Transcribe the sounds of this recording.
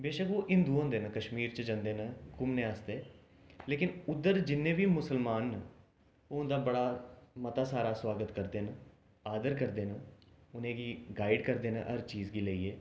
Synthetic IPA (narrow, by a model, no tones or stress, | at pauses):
beːʃəkoːʔɪ̃nd̪uːãːd̪eːnəkəʃmiːɾt͡ʃd͡ʒãnd̪eːnəkʊmnẽːaːst̪eː | leːkɪnʊd̪ːəɾd͡ʒɪnːẽːbiːmʊsəlmaːnː | nd̪aːbəɽaːmət̪aːsaːɾaːswaːɡət̪kəɾd̪eːnə | aːd̪əɾkəɾd̪eːnəʊnẽːɡiːɡaːɪɖkəɾd̪eːnəʔəɾt͡ʃiːzɡiːləːiːeː